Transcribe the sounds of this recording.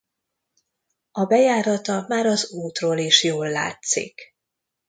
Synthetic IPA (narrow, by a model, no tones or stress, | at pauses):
ɒbɛjaːɾɒt̪ɒmaːɾɒzuːt̪roːliʃjoːlːa̰ːt̪sḭk